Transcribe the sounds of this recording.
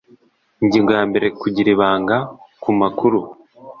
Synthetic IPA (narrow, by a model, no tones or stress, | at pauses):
ɲɟiːŋɡojambe̞ɾe̞kuɟiɾiβaːŋɡakumakuɾu